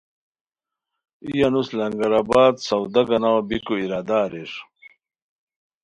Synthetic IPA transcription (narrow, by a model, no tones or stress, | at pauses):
ijanuslɐŋɡɐɾabaːd̪sɐwd̪ɐɡɐnawɐbikuiɾaːd̪aːɾeʂ